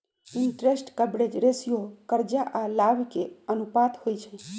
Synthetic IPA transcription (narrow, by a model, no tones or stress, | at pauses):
iɳʈɾesʈkəbɽed͡ʒɾesijokəɾd͡ʒaʔalabikeənupat̪hojt͡ʃʰɛ̃